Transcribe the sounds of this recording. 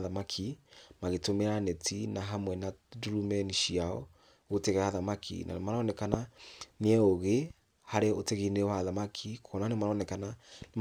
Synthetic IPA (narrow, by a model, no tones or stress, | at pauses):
ðamakʰimaɣetomeɾanetʰinaɦamwɛnaduɾumɛniʃiaɔ̰ | ɣoteɣɛaðamakʰḭna̰nemaɾɔnɛkananeɛoɣe | haɾeoteɣinewaðamakʰikʰɔnanemaɾɔnɛkanane